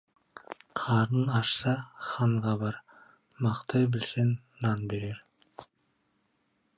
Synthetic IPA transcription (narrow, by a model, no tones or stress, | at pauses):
qʰɑɾənɑʃsɑχɑɴʁɑbɑɾ | mɑqt̪ɑjbɪlsenːɑnbe̞ɾeɾ